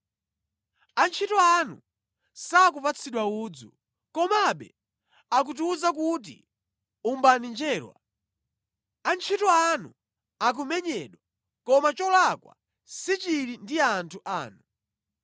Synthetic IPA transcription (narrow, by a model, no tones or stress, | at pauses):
ant͡ʃʰitɔanṵ | sak̬upat͡sʰiɗwauːd͡zṵ | kɔmaɓɛ̰ | ak̬ut̬iuzak̬ut̬ḭ | umbanind͡ʒɛːɾwa̰ | ant͡ʃʰitɔanu | ak̬umɛɲɛɗwa | kɔmat͡ʃɔlakwa̰ | sit͡ʃiɾindiantʰuʔa̰ːnu